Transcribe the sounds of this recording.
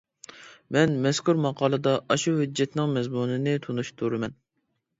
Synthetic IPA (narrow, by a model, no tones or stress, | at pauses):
mɛnmɛskʰuɾmɑqʰɑːlˠɨd̪ɑʔɑʃuhyd͡ʒjɛt̪nɪŋmɛzmunɨnɪt̪ʰunuʃt̪ʰuɾɨmɛn